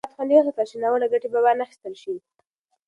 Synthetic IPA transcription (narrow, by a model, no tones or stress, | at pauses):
t̪xanijoɦat̪aʃinawənaɡaʈebabanaxi̥st̪əlʃi